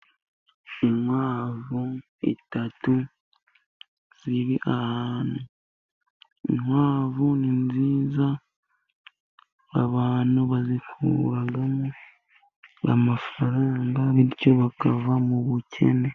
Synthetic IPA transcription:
iŋwaːvu | ḭtatu | z̥iɾiʔahaːnu | ḭŋwaːvuninziːza | aβaːnuβazikʰṵɾaɡamo | a̰mafaɾaːŋɡaβiɾco̞βakavamuβucʰe̞̰ne̞

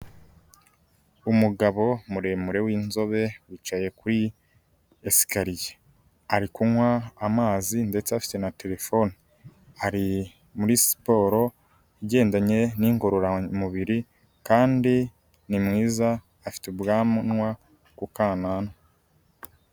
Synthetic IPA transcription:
umuɡaβo̞muɾe̞muɾe̞wiːnzo̞βe̞wit͡ʃaje̞kuɾi | esi̥kaɾije̥ | aɾikuŋwaːmaːzinde̞t͡seafi̥te̞nate̞ɾe̞fo̞ni | aɾi | muɾisi̥po̞ːɾo̞ | iɟe̞ːndaɲe̞niːŋɡo̞ɾoɾamuβiɾi | kaːndi | nimŋiːzaː | fi̥teubɡaːmunŋwa | kukaːnano

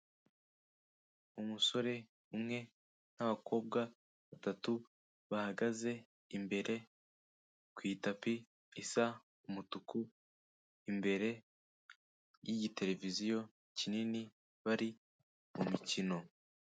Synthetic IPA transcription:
umuso̞ɾe̞ | umŋe̞ | naβako̞ːb̚ɡa | βatatu | βahaɡaze̞ | imbe̞ɾe̞ | kwiːtapi | isa | umutuku | imbe̞ɾe̞ | jiɟite̞ɾe̞vizijo̞ | cinini | βaɾi | mumicino̞

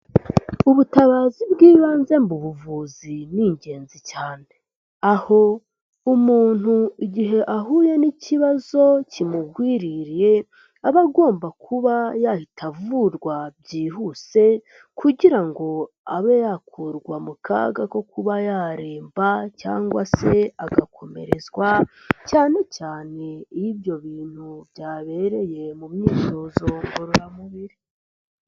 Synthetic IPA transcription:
uβutaβaːzibɡiːβaːnze̞mbuβuvuziniɲɟe̞ːnzicaːne̞ | aho̞ | umuːn̥huiɟiɦe̞ʔaɦuːje̞niciβazo̞cimuɡwiɾiɾije̞ | aβaɡo̞ːmbakʰuβajahitʰavuɾɡwabɟiːhuse̞ | kʰuɟiɾaŋɡo̞ | aβejakʰuɾɡwamuka̰ɡako̞kuβajaːɾeːmbaca̰ːŋɡwase̞aɡakʰo̞me̞̰ɾe̞zɡwacaːne̞caːne̞ijibjo̞βiːn̥hubɟaːβe̞ɾe̞je̞mumɲiːzo̞zo̞ŋɡoɾuɾamuβiɾi

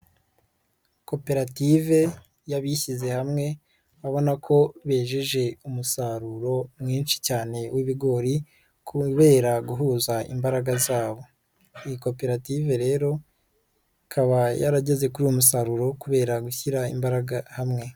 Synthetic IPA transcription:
ko̞pe̞ɾative̞ | jaβiçize̞hamŋe̞ | βaβo̞nakʰo̞βe̞ːʒeʒe̞umusaɾuɾo̞mŋiːnʃi̥caːne̞wʔiβiɡo̞ːɾi | kʰuβe̞ːɾaɡuɦuzaḭmbaɾaɡazaːβo̞ | ijiko̞pe̞ɾative̞ɾe̞ːɾo̞ | kʰaβajaɾaɟe̞ze̞kuɾiumusaɾuɾo̞kuβe̞ːɾaɡuçiɾaimbaɾaɡahamŋe̞

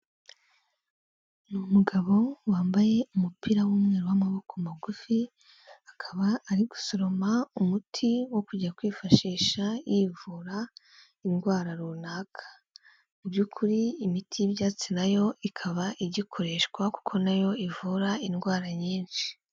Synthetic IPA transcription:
numuɡaβo̞waːmbaje̞umupʰiɾawumŋe̞ːɾuwamaβo̞kʰomaɡufi | akʰaβaːɾiɡu̥soɾo̞maumutʰiwo̞kuɟakwiːfaʃiːʃajiːvuːɾa | inɡwaːɾaɾuːnaːkʰḁ | ubɟukʰuɾiːmitʰibjaːt͡sinajo̞ikʰaβaʔiɟikʰo̞ɾe̞ʃkwaku̥kʰo̞najo̞ivuːɾainɡwaːɾaɲiːnʃi̥

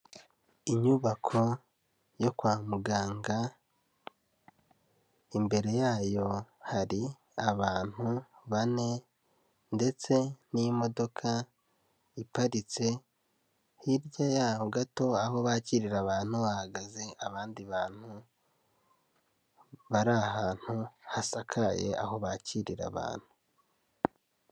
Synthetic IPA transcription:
iɲuβakʰo̞ | jo̞kwaːmuɡaːŋɡa | imbe̞ɾe̞jaːjo̞haɾi | aβaːn̥huβane̞ | nde̞t͡se̞nimo̞do̞kʰa | ipaɾit͡se̞ | hiɾɟajaːhoɡato̞aho̞βaciːɾiɾaβaːn̥huβahaɡaze̞aβaːndiβaːn̥hu | βaɾaɦaːn̥huhasakʰaje̞̰ʔa̰ho̞βaciɾḭɾa̰βa̰ːn̥hu

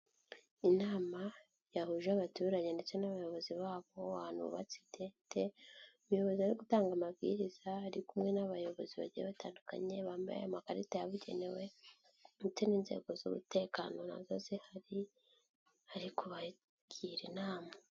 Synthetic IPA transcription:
inaːma | jahuʒaβatuːɾaɲe̞nde̞t͡se̞naβajo̞βo̞ziβaːβo̞an̥hṵṵβa̰t͡si̥tʰetʰeumujo̞βo̞ziaɾiɡutaːŋɡamabɡḭɾizaːɾikumŋe̞naβajo̞βo̞ziβa̰ɟḭβata̰ːnduka̰ɲe̞βaːmbaja̰jamakaɾitajaβuɟe̞̰ne̞we̞ | ndet͡se̞niːnzḛɡo̞zṵβṵte̞ːkano̞na̰zozehaɾi | haɾikʰuβa | ɡ̥iɾinaːma

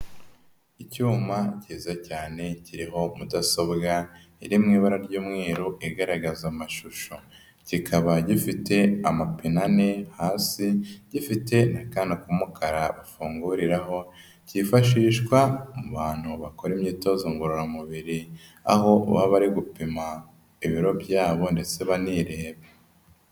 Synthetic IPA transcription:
icuːmaciːzacaːne̞ciɾiɦo̞mudaso̞bɡa | iɾimŋiːβaɾaɾɟuːmŋeːɾoʔiɡaɾaɡazamaʃuʃo | cikʰaβaɟifite̞amapinanehaːsiɟifite̞nakaːndakumukaɾaβafuːŋɡuɾiɾaɦo̞ | ciːfaʃiːʃkwamuβaːn̥huβako̞ɾimɲiːto̞zoŋɡuɾoɾamuβiɾi | a̰ɦo̞βa̰βaɾiɡupima | iβiɾo̞bɟaːβo̞nde̞t͡se̞βaniɾe̞ːβe

